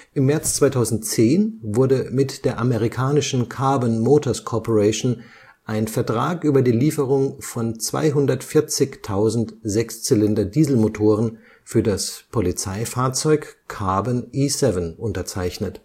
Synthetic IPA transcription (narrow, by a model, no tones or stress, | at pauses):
ʔɪmːɛɐt͡st͡sv̥aɪtʰaʊzn̩tt͡seːnvʊɐdəmɪtd̥eːɐʔameʁ̞ikʰaːnɪʃn̩kʰaɐbɔnmoːtʰɔɐskʰɔpoʁɛɪʃn | ʔaɪnfɛɐtʁ̥aːkʔyːbɐdiːliːfəʁ̞ʊŋfɔnt͡sv̥a̰ɪɦʊndɐtfɪɐt͡sɪçtʰaʊzn̩tzɛkst͡sɪlɪndɐdiːzl̩motʰoːʁ̞ən | fyːɐdaspʰolit͡saɪfaːɐt͡sɔʏkkʰaːbənʔiːsɛvənʔʊntɐt͡saɪçnət